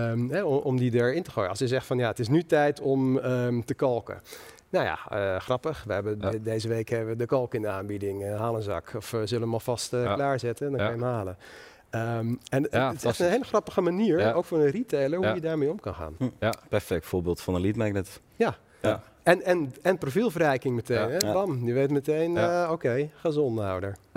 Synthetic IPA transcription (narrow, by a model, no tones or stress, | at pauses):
əɦɛɔmdidaːɹɪntəxoːjəɑlˠsjəzɛxtfɔnjaətɪs̬nytɛjtʰɔmətəkɑlˠkə̰ | nowja̰ə̰xrɑpəxʋəɦɛbədejzəʋeːkhɛbəʋədəkɑlˠkəɪndəaːnbidɪŋɦaːlˠənzɑ̰kʰɔfzøləəmɔlˠfɑstəlaːɹzɪtənndɔnkɑnjəmɦaːlˠə | əmɛntɪsɛxtənɦeɪləxrɑpəxəmaniːɹowkfʊːnənritʰejlˠəɹhujədaːɹmejɔmkɑnxa̰ːnpɛɹfɛk̚tfoːbeːlˠtfɔnənlitmɛk̚nɛt | ja | ɛnɛnɛnprofilˠvərɛjkɪŋmətejnɦɛbɑmnyʋejtmətejnəowkejxazɔna̰wdəɹ